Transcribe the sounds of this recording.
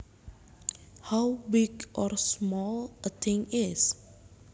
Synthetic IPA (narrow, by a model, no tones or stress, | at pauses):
hawbɪɡʔɔɹsmɔlˠət̪ʰɪ̃ŋɪs